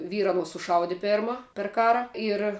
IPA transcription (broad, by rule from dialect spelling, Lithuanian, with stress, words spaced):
ˈʋʲiːrɐ ɐˈnuɔs sʊˈʃɐʊdʲɪ ˈpʲɛrmɐ pʲɛr ˈkɑːrɐ ɪr